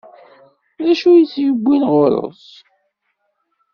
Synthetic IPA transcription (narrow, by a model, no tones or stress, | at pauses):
ðæʃujət͡sːjəbʷːinʁoɾo̰s